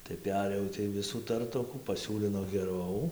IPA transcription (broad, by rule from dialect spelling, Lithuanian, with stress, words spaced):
tɐɪ ˈpʲæːrʲeːjɛʊ tɐɪ ˈʋʲɪsuː ˈtɐrtoːkuː pɐˈsʲuːlʲɪnoː ɡʲɛˈrɐʊ